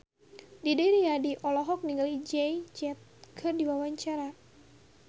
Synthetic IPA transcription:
didɛɾiadiʔɔlɔɦɔk̚niŋɡalid͡ʒɛjt͡ʃɛt̪̚kʰɨrdiwawaɲt͡ʃaɾa

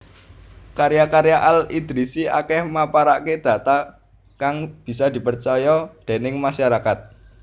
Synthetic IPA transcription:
kaɾjakaɾjaʔalid̪̥ɾisia̰kɛhmapaɾaʔked̪̥ä̤t̪a | kaŋb̥i̤sad̪̥i̤pərt͡ʃɔjɔd̪̥e̤nɪŋmaʃaɾakat̪̚

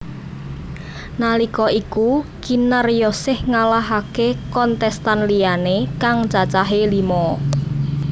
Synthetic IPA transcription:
nalikɔʔikukinərjɔsɪhŋalaɦakekɔnt̪ɛst̪anlianekaŋt͡ʃat͡ʃaɦelimɔ

